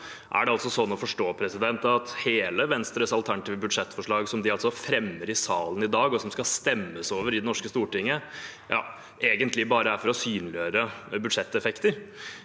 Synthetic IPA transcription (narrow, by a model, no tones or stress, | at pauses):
ʔæ̰ɖɛɑlt̪sɔsɔnːɔfɔʂʈoːpʰɾɛsɪd̪ɛnt̪ɑt̪heːləʋɛnst̪ɾəsɑlt̪ʰæɳɑt̪iːʋəbʉd̪ʂɛt̪ːfɔʂɭɑːɡsɔmd̪ɪɑlt̪sɔfɾɛmːəɾɪsɑːlənɪd̪ɑːɡɔsɔmskɑst̪ɛmːəsoːʋəɾɪd̪ɛnɔʂkəst̪uːʈɪŋːə | jʔɑ̰ː | ʔeːɡənt̪ʰlɪbɑːɾəæɾfɔɾɔsyːnlɪøːɾəbʉd̪ʂɛt̪ːɛfɛkt̪əɾ